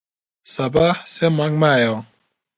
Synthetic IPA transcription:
sɐbahsemɐŋɡmaːjo

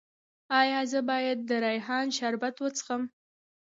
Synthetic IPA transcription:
ɑjɑzəbɑjad̪̚ːəɾɑjɦɑnʃaɾbat̪wət͡sə̥xəm

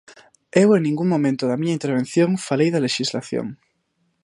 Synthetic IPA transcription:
eweŋnĩŋɡuŋmõmẽnt̪oðɐmiɲɐint̪eɾβ̞enθjõŋfalejðɐleʃizlaθjo̰ŋ

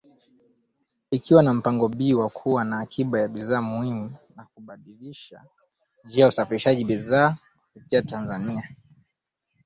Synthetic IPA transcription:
ikiwanam̩paŋɡɔɓiːwakʰuwanaːkʰiɓajaɓiðaːmuhimunakuɓaɗiliʃa̰ | d͡ʒiːajausafiɾiʃaʄiɓiðaː | pɛtiatanzania

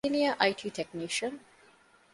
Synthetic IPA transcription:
iniaʔaɪʈʰiːʈʰekniʃə̃n

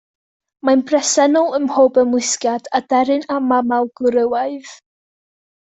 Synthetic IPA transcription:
manbrɛsɛnɔlˠəmhoːbəmwɪskjadadɛɾɨnamamalˠɡ̥ʊɾəwaɨð̥

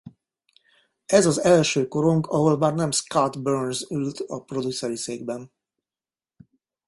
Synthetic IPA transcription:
ɛzɒzɛlʃøːko̞ɾoŋkʰɒɦo̞lmaːrnɛmskat̪børnzylt̪ɒpro̞d̪usɛɾiseːɡ̚bɛn

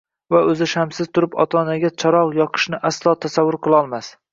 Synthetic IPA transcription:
vaɵzɪʃamsɪzt̪ʰʊɾɪpɒ̰t̪ʰɒnaɡʲat͡ʃʰɒɾɒʁjɒqʰɨ̥ʃnɪʔaslˠɒːt̪ʰasavːʊɾqʰɨlˠɒlˠmas

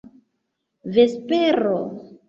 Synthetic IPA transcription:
ve̞speɾo

